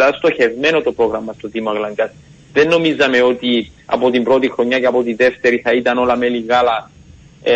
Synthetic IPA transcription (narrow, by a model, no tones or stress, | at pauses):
lɐst̪o̞çe̞vme̞no̞t̪o̞pɾo̞ɣɾɐmːɐst̪ot̪imoɐɣlɐŋɡɐs | ðenːo̞mizɐme̞o̞t̪i | ɐ̰po̞t̪imbɾo̞t̪ixɾo̞ɲːɐce̞ɐpo̞t̪iðe̞ft̪e̞ɾiθɐit̪ɐno̞lɐme̞liɣɐlɐ